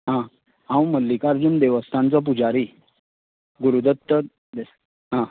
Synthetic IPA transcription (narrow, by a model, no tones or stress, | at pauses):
ɦã | ɦãwməlːikaɾd͡ʑund̪eʋəst̪ʰãnt͡sɔp̬ud͡zaɾi | ɡuɾud̪ət̪ːə | d̪es | ɦã